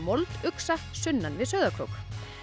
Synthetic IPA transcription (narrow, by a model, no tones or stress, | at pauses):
molt̪ʏksasʏnːanvɪðsœɥðakʰɾo̰wk